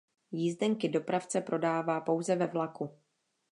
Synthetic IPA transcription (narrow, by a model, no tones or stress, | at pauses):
jizdɛŋkɪdo̞pɾaft͡sɛpɾʔo̞daːvaːpo̞wzɛvɛvlaku